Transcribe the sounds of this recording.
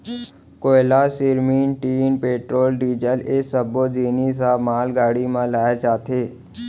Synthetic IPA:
koːɪlasɪɾmiːnʈiːnpeːʈɾoːlɖiːd͡ʒəlesəbod͡ʒiːnis̬amaːlɡaːɽimãlaːjat͡ʃaːt̪eː

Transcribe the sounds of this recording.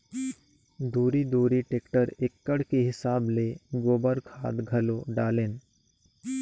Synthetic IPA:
d̪uːɾid̪uːɾiʈeːkʈəɾekːəɽkeɦɪsaːbleɡoːbəɾkʰaːd̪ɡʱɐloɖaːleːn

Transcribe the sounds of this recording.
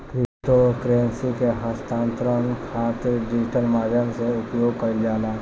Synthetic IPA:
kɾɪsʈokɾeənsikeɦəst̪ãːnt̪ɾənkʰaːt̪ɪɾd͡ʒid͡ʒʈʰənmaːd̪ʱjəmseʊpjoːɡkəɾd͡ʒaːlaː

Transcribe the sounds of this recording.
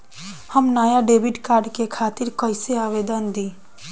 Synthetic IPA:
həmnaːjaɖeːʋɪɖkaːɾɖkekʰaːt̪ɪɾkɐɪseaːʋeːd̪ənd̪ĩː

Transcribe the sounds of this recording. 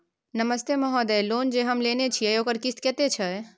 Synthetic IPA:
nɐməst̪emɐɦɔd̪ɛloːnd͡ʒeɦɐmleːnet͡ʃʰieoːkəɾkɪst̪kɛt̪et͡ʃʰɐe

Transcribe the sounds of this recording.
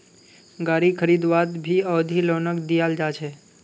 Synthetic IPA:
ɡaɾikʰəɾid̪ʋat̪bʱiəːd̪ʱilonəkd̪ijald͡ʒat͡ʃʰe

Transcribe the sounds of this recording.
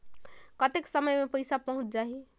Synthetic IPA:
kət̪eksəməjmepəɪsapəɦũt͡ʃd͡ʒaɦi

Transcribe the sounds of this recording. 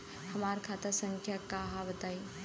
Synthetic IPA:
hɐmaːɾkʰaːt̪asə̃ŋkʰjakaɦabət̪aːi

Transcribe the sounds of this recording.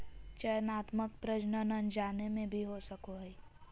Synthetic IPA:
t͡ʃəjənaːt̪məkpɾəd͡ʒnənənd͡ʒaːnemẽbʱiɦosəkoɦɛi

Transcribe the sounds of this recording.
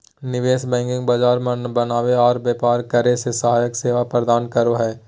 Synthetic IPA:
nɪʋeːsbɛ̃ːŋkɪ̃ŋɡbaːd͡ʒaːɾmbɐnaːʋeɔːɾbjeːpaːɾkəɾesesəɦaːjəkseːʋapɾəd̪aːnkəɾoɦɛː

